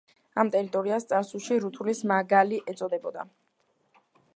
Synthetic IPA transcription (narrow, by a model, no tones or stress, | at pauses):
amt̪ʼɛɾit̪ʼɔɾiast̪sʼaɾsulˠʃiɾut̪ʰulismaɡaliʔɛt̪sʼɔd̪ɛbɔd̪a̰